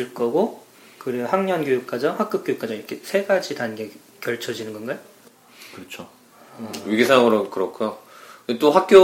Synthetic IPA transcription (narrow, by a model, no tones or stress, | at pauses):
ɯɭk͈ʌɡo | kɯɾeɡohaŋɲʌnɡjojuk̚k͈ad͡ʑʌŋɸwak͈ɯk͈jojuk͈ad͡ʑʌŋiɾʌkʰesʰe̞ɡad͡ʑidanɡe̞ | kjʌɭt͡ɕʰʌd͡ʑinɯnɡʌnɡajo | kɯɾʌt͡ɕʰo | wɥiɡisʰaŋɯɾokɯɾʌkʰujokɯndet͈oɸak̚k͈jo